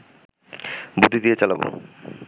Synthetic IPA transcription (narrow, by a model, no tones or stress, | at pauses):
bud̪ʱːid̪ijet͡ɕalabo̰